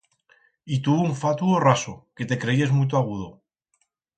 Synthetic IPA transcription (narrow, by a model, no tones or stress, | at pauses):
it̪uβuɱfat̪uorasoke̞t̪e̞kɾe̞iezmujt̪̬oaɣuð̞o